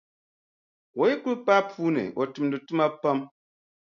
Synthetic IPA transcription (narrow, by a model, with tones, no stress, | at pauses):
wo˨i˦ku˦pa˦puː˦nɨ̰˨wo˨tɨ˨m˨dɨ˨tɨ˦ma˦pa˦m